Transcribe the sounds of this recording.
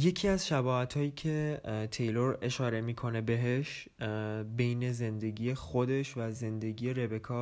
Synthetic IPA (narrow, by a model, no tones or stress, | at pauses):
je̞cʰiːæzʃæbɒːhæt̪ʰhɒːjiːcʰe̞t̪ʰe̞jlo̞ɾe̞ʃɒːɾe̞miːkʰo̞ne̞be̞ɦeʃ | be̞jne̞ze̞nd̪e̞ɟʲiːexo̞d̪e̞ʃvæze̞nd̪e̞ɟiːje̞ɾe̞be̞kʰɒː